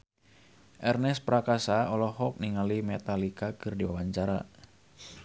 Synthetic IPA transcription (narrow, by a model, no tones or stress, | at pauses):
ʔɛrnɛspɾakasaɔlɔɦɔk̚niŋalimɛt̪alikakɨrdiwawaɲt͡ʃaɾa̰